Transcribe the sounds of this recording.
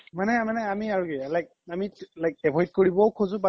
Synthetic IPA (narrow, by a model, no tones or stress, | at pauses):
manɛmanɛamiaɹukealajk̚amilajk̚ɛbʱɔjt̚koɹibɔwkʰozʊ̃ba